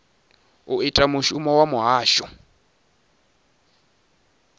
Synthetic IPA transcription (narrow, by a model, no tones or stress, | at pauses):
uitʼamʊʃumɔwamʊɦaːʃɔ